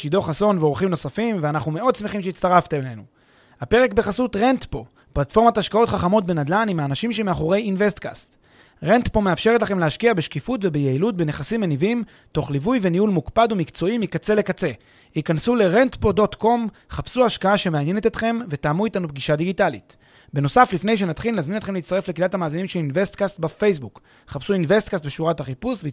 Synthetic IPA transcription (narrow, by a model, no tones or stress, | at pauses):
ʃido̞χaso̞nveo̞ʁχimno̞safimveanaχnume̞o̞d̚smeχimʃeit̪st̪aʁaft̪emlenu | hape̞ʁe̞kbe̞χasut̪ʁent̪po̞ | platfo̞ʁmataʃkao̞t̪χaχamo̞tbe̞nad̪lanimaːnaʃimʃe̞meaχo̞ʁe̞jinve̞st̪ka̰st | ʁent̪po̞me̞afʃe̞ʁet̬laχe̞mleaʃkiabeʃkifutve̞bejeilut̚bene̞χasimenivim | to̞χlivujve̞niulmukpadumikt͡so̞imikat͡se̞le̞kat͡se̞ | ikansule̞ʁent̪po̞do̞t̪ko̞mχapsuaʃkaaʃe̞meanje̞ne̞t̪et̪χe̞mve̞taːmuitanup̚ɡiʃad̪iɡitalḭt | be̞no̞saflifne̞jʃ̬enat̪χileazminetχeleitt͡sst̪aʁe̞flekidat̪hamaːzinimʃelinve̞st̪kast̪bafe̞js̬buk | χapsuinve̞st̪̚kast̚beʃuʁathaχipusvei